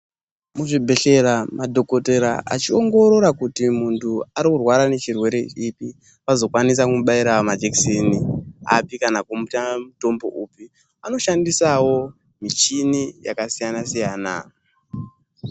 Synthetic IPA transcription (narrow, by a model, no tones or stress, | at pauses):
muʐibʱe̞ɬe̞ɾamadʱo̞ko̞te̞ɾa̰ʔa̰t͡ʃio̞ŋɡo̞ɾo̞ɾakutimuntʰuaɾikurwaɾane̞t͡ʃirwe̞ɾe̞ipi | pazo̞kwanis̬akuɓaiɾamad͡ʒeksenia̰pikanakumutamuto̞mbo̞̰ʔupi | ano̞ʃandisawo̞ | mit͡ʃinija̰kasijanasijaːna